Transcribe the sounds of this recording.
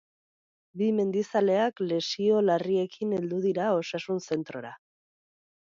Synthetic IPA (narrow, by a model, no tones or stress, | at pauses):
bime̞nd̪isale̞akle̞sio̞larie̞kine̞ld̪uðiɾao̞sasunse̞nt̪ɾo̞ɾa